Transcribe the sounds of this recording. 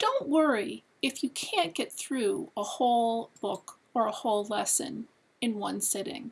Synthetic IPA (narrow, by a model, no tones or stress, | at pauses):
d̥õʊ̃nʔwɜ˞i | ɨfjɨkʰæ̃nɡ̥ɛt̪̚θɹʉəhoʊlˠb̥ʊk | ə˞əhoʊlˠlɛsɨ̰̃n | ɨ̃nwʌ̃nsɛɾɪ̰̃ŋ